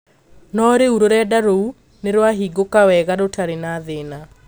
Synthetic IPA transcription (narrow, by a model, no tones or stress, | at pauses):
nɔɾeuɾoɾɛdaɾou | neɾwaɦiːɡokawɛɣaɾotaɾenaːðena